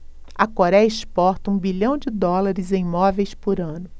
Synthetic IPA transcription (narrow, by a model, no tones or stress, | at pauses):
ɐkoɾɛɐɪspɔɾt̪ɐũbiʎɐ̃w̃d͡ʒɪd̪ɔlaɾɪzẽmɔvejspʊɾɐ̃nʊ